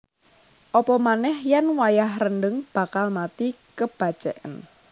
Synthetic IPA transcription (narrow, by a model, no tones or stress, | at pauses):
ʔɔpɔmanɛhjanwajahrəndəŋb̥a̤kalmat̪ikəb̥a̤̥t͡ʃɛ̰ʔə̰n